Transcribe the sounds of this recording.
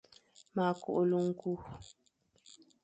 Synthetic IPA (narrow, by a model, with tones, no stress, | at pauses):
ma˨ko̰˨ʔo˨lu˦ŋ̩˦ku˦